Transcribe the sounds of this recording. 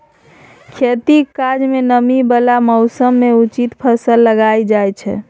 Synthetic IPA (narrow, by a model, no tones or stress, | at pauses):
kʰet̪ikad͡ʒmenəmibəlamɔwsəmːeut͡ʃit̪pʰəsəlːəɡajd͡ʒajt͡ʃʰɛ̰